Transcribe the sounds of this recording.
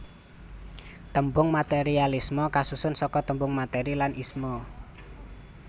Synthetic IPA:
t̪əmbʊŋmat̪eɾialismɔkasusʊnsɔkɔt̪əmbʊŋmat̪eɾilanʔismɔ

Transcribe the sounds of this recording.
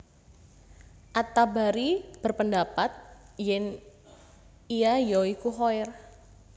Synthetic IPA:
ʔat̪abaɾib̥ərpəndapat̪̚jɛn | iajoikuɦojr

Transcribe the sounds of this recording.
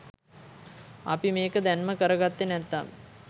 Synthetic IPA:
a̰pimeːkəd̪ænməkəɾəɡat̪ːenɛt̪ːam

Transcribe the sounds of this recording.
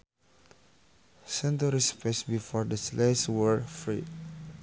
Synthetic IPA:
sɛ̃ntəɹispɛsbifɔɹdəsleswəɹfɹḭ

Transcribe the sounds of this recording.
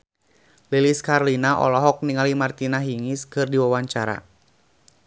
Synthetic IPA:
liliskarlinaʔɔ̰lɔɦɔk̚niŋalimart̪inaɦiŋiskɨrdiwawaɲt͡ʃaɾa̰

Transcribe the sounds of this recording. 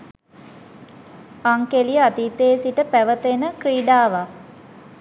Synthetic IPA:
aŋkelijəat̪it̪eːsiʈəpæʋət̪enəkriːɖaːʋa

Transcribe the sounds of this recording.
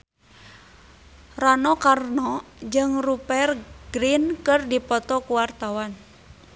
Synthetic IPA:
ranɔkarnɔd͡ʒɨŋrupɛrɡ̥ɾinkɨrdipɔt̪ɔkuwart̪awan

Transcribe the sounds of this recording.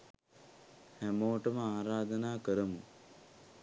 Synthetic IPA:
hæmoːʈəməaːɾaːd̪ənaːkəɾəmu

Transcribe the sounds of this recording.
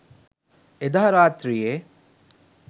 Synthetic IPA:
ed̪aɦɐɾaːt̪ɾijeː

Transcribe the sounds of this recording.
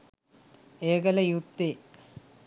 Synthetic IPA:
eːɡɐlɐjut̪ːe

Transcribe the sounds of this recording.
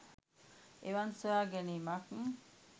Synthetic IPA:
eʋansoaɡenimakŋ̩

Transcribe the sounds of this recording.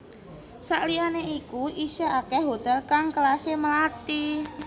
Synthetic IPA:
saʔlianeikuisaakɛɦot̪ɛlkaŋkəlaseməlat̪i

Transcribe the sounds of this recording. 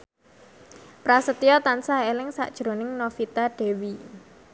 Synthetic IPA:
pɾasət̪ijɔt̪ansaelɪŋsa̰ʔd̥ʒ̥ɾonɪŋnofit̪aɖ̥e̤wi

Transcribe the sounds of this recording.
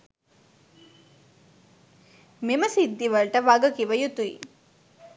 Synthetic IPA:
meməsid̪ːiʋɐɭʈəʋɐɡɐkiʋəjut̪uḭ

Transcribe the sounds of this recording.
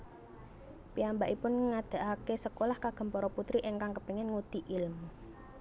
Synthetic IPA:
piambaʔipʊnŋad̪̥a̤ʔakesəkolahkaɡ̥ə̤mpɔɾɔput̪ɾiʔɪŋkaŋkəpiŋɛnŋud̪̥i̤ʔɪlm

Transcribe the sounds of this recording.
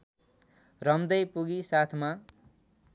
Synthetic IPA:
rʌmd̪ʌjpuɡisat̪ʰma

